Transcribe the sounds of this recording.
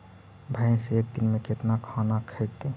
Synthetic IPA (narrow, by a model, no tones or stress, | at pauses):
bʱaɪnseeːk̚d̪inmẽket̪nakʰanakʰət̪e